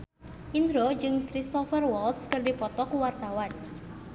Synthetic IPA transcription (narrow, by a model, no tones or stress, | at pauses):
ʔind̪ɾod͡ʒɨŋkɾist̪ɔfərwɔlt̪skɨrdipɔt̪ɔkuwart̪awan